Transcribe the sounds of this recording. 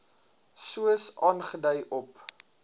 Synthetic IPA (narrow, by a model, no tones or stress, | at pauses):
suəsɑːnχədəjʔɔp